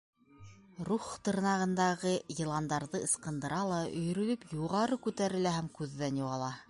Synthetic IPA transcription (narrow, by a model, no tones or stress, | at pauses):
ɾuχt̪ɤ̆ɾnɑʁɤ̆nd̪ɑʁɤjɤ̆lˠɑnd̪ɑɾðɤɤ̆sqɤ̆nd̪ɤ̆ɾɑlˠɑɵ̆j̆ɾɵ̆lɵpjuʁɑɾɤkʉt̪æɾɘ̆læɦæmkʉðːænjuʁɑlˠɑ